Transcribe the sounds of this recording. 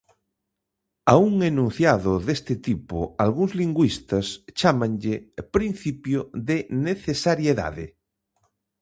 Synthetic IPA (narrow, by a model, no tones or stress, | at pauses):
auŋenũn̟θjaðʊðest̪ɪt̪ipʊ̰alɣuŋzliŋɡwist̪ɐst͡ʃamãŋʎepɾin̟θipjoðeneθesaɾjeða̰ðɪ̰